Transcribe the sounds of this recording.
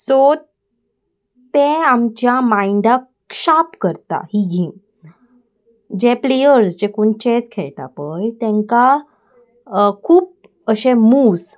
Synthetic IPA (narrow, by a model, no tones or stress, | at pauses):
so | t̪ẽamt͡ɕjamaiɳɖ̪a | ɕapkəɾt̪a̰hiɡʱiːn | d͡ʑeplejəɾsd͡ʑekuɳt͡ɕeskʰɛɭʈ̪a̰pəjt̪ɛ̃ŋka | kʰuːp̚ | əɕẽmuːs